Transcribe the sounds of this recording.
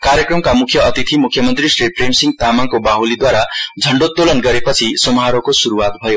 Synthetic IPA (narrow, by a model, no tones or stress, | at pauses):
kaɾjʌkrʌmkamukʰjʌʌt̪it̪ʰimukʰjʌmʌnt̪risrepremsiŋɡt̪amaŋkobaɦulid̪waɾad͡zʱʌɳɖot̪ːolʌnɡʌɾepʌt͡sʰisomɦaɾokosuɾuwat̪bʱʌjo